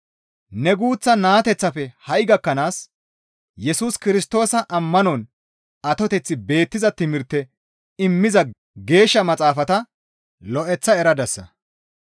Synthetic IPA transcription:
nɛɡuːt͡sːɐnaːt̪ɛt͡sːɐfɛhɐjɡɐkːɐnaːs | jɛsuːskɪɾɪst̪o̞ːsɐʔɐmːɐnɔn | ɐt̪ɔt̪ɛt͡sːɪbe̞ːt̪ːɪzɐt̪ɪmɪɾt̪ːɛ | ɪmːɪzɐ | ɡe̞ːʃːɐmɐt͡sʼaːfɐt̪ɐ | lɔʔɛt͡sːɐɛɾɐd̪ɐsːɐ̰

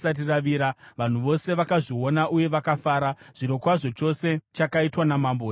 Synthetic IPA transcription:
sat̬iraʋiːɾaʋan̤uʋo̞se̞ʋakaʐio̞naʔuje̞ʋakafaːɾaʐ̥iɾo̞kwaʐo̞t͡ʃo̞se̞t͡ʃakaitwanamambo

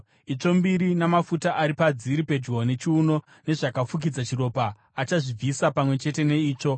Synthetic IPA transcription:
it͡ʂo̞mbiɾinamafutaʔaɾipad͡ziɾipe̞d͡ʒɡone̞t͡ʃiuno̞ | ne̞ʐakafuk̬id͡zat͡ʃiro̞paː | t͡ʃaʐib͡visapamwe̞t͡ʃe̞te̞ne̞iːt͡ʂo̞

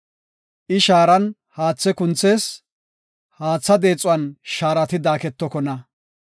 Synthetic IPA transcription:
ʔɪʃaːɾɐn | haːt͡sːɛkʊnt͡sːe̞ːs | haːt͡sːɐd̪e̞ːt͡sʼːʊɐnʃaːɾɐt̪ɪd̪aːkɛt̪ːɔkɔnɐ

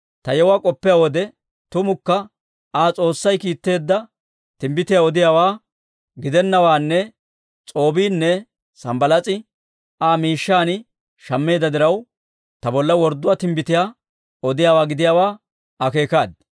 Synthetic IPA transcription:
t̪ɐjɛwaːkʼɔpːɪjaːwɔd̪ɛ | t̪ʊmʊkːɐ | aːt͡sʼo̞ːsːɐjkiːt̪ːe̞ːd̪ːɐ | t̪ɪmbɪt̪ɪjaːɔd̪ɪjaːwaː | ɡɪd̪ɛnːɐwaːnːɛ | t͡sʼo̞ːbiːnːɛ | sɐmbɐlɐt͡sʼɪ | ʔaːmiːʃːaːnɪ | ʃɐmːe̞ːd̪ɐd̪ɪɾɐw | t̪ɐbɔlːɐwɔɾd̪ːʊwaːt̪ɪmbɪt̪ɪjaː | ɔd̪ɪjaːwaːɡɪd̪ɪjaːwaː | ɐke̞ːkaːd̪̚

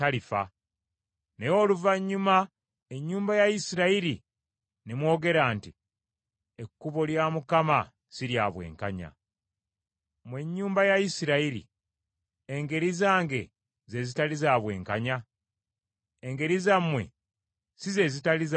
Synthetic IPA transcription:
alifa̰ | nejo̞luvaɲːuma | e̞ɲːuːmbajajisiɾaiɾi | nemwo̞ːɡe̞ɾaːnti | ekːuβo̞ljaːmukama | siɾjaːβwḛːŋkaɲa̰ | mwe̞ɲːuːmbajajisiɾaiɾḭ | eŋɡe̞ɾizaːŋɡe̞ | ze̞zitalizaːβwe̞̰ːŋkaɲa | eŋɡe̞ɾizamwe̞̰ | size̞zitaliz

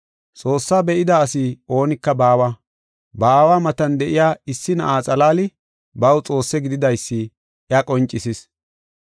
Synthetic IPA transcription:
t͡sʼo̞ːsːaːbɛʔɪd̪ɐːsio̞ːnɪkːɐbaːwa | baːwaːmɐt̪ɐnd̪ɛʔɪjaːɪsːɪnɐ̰ʔaːt͡sʼɐlaːlɪ | bɐwt͡sʼo̞ːsːɛɡɪd̪ɪd̪ɐjsːɪ | ɐkʼɔnt͡ʃʼːɪsɪs

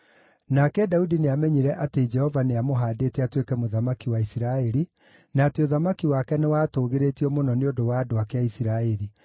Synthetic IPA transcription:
nakɛdaudineamɛɲiɾɛʔated͡ʒɛhɔvaneamoɦaːdeːtɛatwekɛmoðamakiwaisiɾaɛɾi | naːteoðamakiwakɛnewaːtoːɣeɾeːtiɔmonɔneodowaːdoakeaisiɾaɛɾi

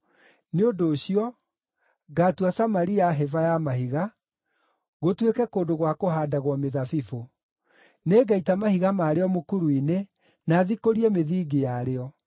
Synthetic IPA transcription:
neodoːɕiɔ | ɡatuasamaɾiaɦɛvajamaɦiɣa | ɣotwekɛkoːndoɣwakoɦaːdaɣwɔmeðafifo | neːɡaitamahiɣamaːɾeɔmokuɾuine | naːðikoɾiɛmeðiːɡejaɾeɔ

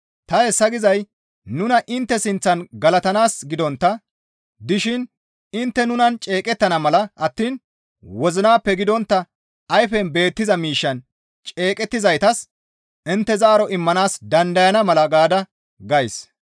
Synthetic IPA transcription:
t̪ɐɛsːɐɡɪzɐj | nʊnɐʔɪnt̪ːɛsɪnt͡sːɐnɡɐlɐt̪ɐnaːsɡɪd̪ɔnt̪ːɐ | d̪ɪʃɪn | ɪnt̪ːɛnʊnɐnt͡ʃʼe̞ːkʼɛt̪ːɐnɐmɐlɐʔɐt̪ːiːn | wɔzɪnaːpːɛɡɪd̪ɔnt̪ːɐ | ɐjfɛnbe̞ːt̪ːɪzɐmiːʃːɐn | t͡ʃʼe̞ːkʼɛt̪ːɪzɐjt̪ɐs | ɪnt̪ːɛzɐːɾɔʔɪmːɐnaːsd̪ɐnd̪ɐjɐnɐmɐlɐɡaːd̪ɐ | ɡɐjs

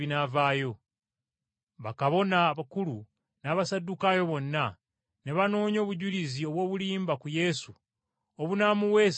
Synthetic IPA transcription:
inaːvaːjo̞ | βakaβo̞naβakulu | naːβasadːukaːjo̞βo̞nːa | ne̞βano̞ːɲo̞ːβuɟulizio̞βwo̞ːβuliːmbakuje̞su | oβunaːmuwe̞s

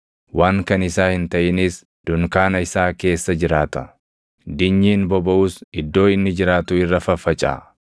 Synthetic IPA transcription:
waːŋkɐnɪsaːhɪnt̪ɐʔɪnɪs | d̪̥ʊŋkaːnɐɪsaːke̞ːsːɐd͡ʒɪɾaːt̪ɐ | d̪ɪɲːiːnbɔbɐʔuːsɪd̪ːo̞ːɪnːɪd͡ʒɪɾaːt̪ʊɪrːɐfɐfɐt͡ʃʼa̰ː

